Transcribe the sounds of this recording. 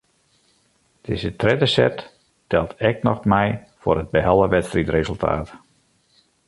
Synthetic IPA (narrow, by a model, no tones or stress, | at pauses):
d̥ezətrɛdəsɛ̰t | tɛlˠtʰɛk̚nɔxmɛjfʊ̰ɾəd̚bəɦɛlˠəʋɛtstritrezəlˠtʰa̰ːt